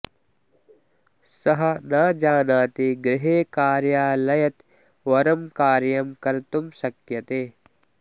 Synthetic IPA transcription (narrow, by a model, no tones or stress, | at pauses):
sɐɦɐ̆naːd͡ʒaːnaːt̪iɡɾɪɦeːkaːɾjaːlɐjɐt̪ | ʋɐɾɐmkaːɾjɐmkɐɾt̪umʃɐkjɐt̪eː